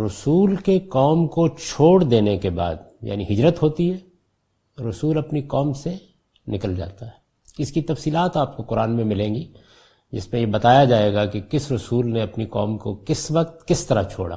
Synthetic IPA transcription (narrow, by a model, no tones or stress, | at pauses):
ɾʊsuːlkekɔːmkot͡ʃʰoːɽd̪eːnekeba̰ːd̪ja̰ːniɦɪd͡ʒɾət̪ɦoːt̪iɦɛː | ɾʊsuːlɐpnikɔːmse | nɪkəld͡ʒa̰ːt̪aɦɛː | ɪskit̪ɐfsiːlaːt̪aːp̚koqʊɾaːnmẽmɪlẽːŋɡi | d͡ʒɪ̰smẽjebɐt̪aːjad͡ʒaːeːɡakekɪsɾʊsuːlneɐpnikɔːmkokɪsʋɐq̚t̪kɪst̪ɐɾa̰t͡ʃʰo̰ːɽa̰ː